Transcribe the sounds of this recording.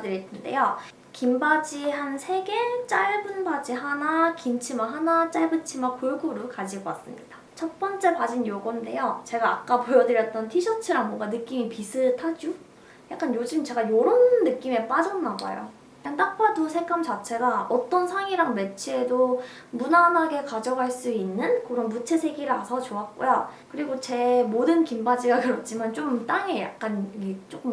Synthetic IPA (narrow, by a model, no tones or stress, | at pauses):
dɯɾetʰɯnde̞̰jo | kimbad͡ʑiɦansʰe̞ɡe̞t͡ɕ͈aɭbɯnbad͡ʑiɦanakimt͡ɕʰimaɦanat͡ɕ͈aɭbɯt͡ɕʰimakoɭɡuɾukad͡ʑiɡʌk͈as͈ɯmɲid̥a | t͡ɕʰʌt̚p͈ʌnt͡ɕ͈e̞pad͡ʑinjoɡʌnde̞jot͡ɕe̞ɡaːk͈apojʌdɯɾjʌt̚t͈ʌntʰiɕʰʌt͡ɕʰɯɾaŋmoɡanɯk͈imipis͈ʰɯtʰad͡ʑu | jak͈anjod͡ʑɯmt͡ɕe̞ɡajoɾonːɯk͈ime̞p͈ad͡ʑʌnːaba̰jo̰ | kaŋt͈ak̚p͈adosʰe̞k͈amt͡ɕat͡ɕʰe̞ɡaʌt͈ʌnsʰaŋiɾaŋme̞t͡ɕʰie̞do | munamɦaɡe̞kad͡ʑʌɡɦaɭs͈uinːɯnkɯɾʌnbut͡ɕʰe̞sʰe̞ɡiɾɯasʰʌt͡ɕoat̚k͈ojokɯɾiɡot͡ɕe̞modɯnkimbad͡ʑiɡakɯɾʌt̚t͡ɕ͈ʰimant͡ɕomt͈aŋe̞ja̰k̚k͈anket͡ɕ͈ok͈ɯm